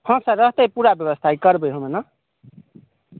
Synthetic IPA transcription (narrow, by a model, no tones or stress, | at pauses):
pʰʌ̃saɾʌɦt̪ʌjpuɾabjʌbʌst̪ʰajkʌɾbʌjɦõmenʌ